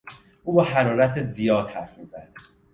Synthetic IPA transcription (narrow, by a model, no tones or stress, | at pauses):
ʔuːbɒɦæɾɒːɾæt̪ʰezijɒːd̪hæɾfmiːzæd̪̥̚